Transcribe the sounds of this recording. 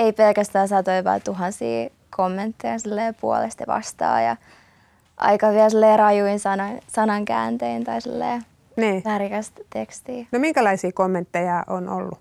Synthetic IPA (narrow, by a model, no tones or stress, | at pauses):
eipelkæst̪æːnsɑt̪oiʋɑ̰t̪uɦɑnsḭː | kʰomːent̪ːejɑsilːeːpuo̰lḛst̪ɑʋɑ̰st̪ɑ̰ːjɑ̰ | ʔɑ̰ikɑʋiælsilːeːrɑjuinsɑnɑsɑnɑŋkæ̰ːnt̪eint̪ɑisilːḛː | niːʋærkæst̪t̪ekst̪iːnomiŋkælɑisiːkomːẽnt̪ːejɑːʔono̰lːu